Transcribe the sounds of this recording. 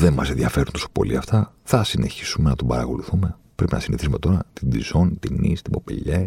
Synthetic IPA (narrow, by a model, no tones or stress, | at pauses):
ðe̞nmɐse̞nðjɐfe̞ɾunt̪oso̞po̞lḭɐft̪ɐ | θɐsine̞çi̥sume̞nɐt̪obɐɾɐko̞luθume̞ | pɾe̞pinɐ̰siniθisume̞t̪o̞ɾɐt̪id̪izo̞nt̪inḭst̪ibo̞pḛʎe